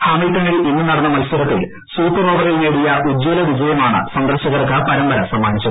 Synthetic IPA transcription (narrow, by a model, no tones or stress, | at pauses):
haːmilkɐɳɐɭiʔinːɨnɐɽɐnːɐmɐlsɐɾɐkːɐil | suːpːɐroːbɐɣɐlneːɽijɐʔud͡ʑːoːlɐʋid͡ʑɐjɐmaːɳɨ̰sɐnd̪ɐrɕɐɣɐrkapɐɾɐmbɐɾɐsɐmːaːɳit͡ɕːɐ